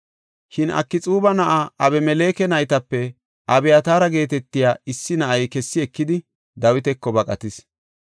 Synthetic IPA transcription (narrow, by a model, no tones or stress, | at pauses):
ʃɪnɐ̰kːɪt͡sʼuːbɐnɐʔaʔɐbɛmɛle̞ːkɛnɐjt̪ɐpːɛ | ʔɐbɛjat̪aːɾɐɡe̞ːt̪ɛt̪ːɪjaːɪsːɪnɐʔɐjkɛsːɪɛkːɪd̪ɪ | d̪ɐwɪt̪ɛkːɔbɐkʼɐt̪ɪs